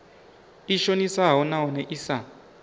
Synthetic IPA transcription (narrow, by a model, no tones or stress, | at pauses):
iʃonisaɦɔnaɦɔnɛʔisa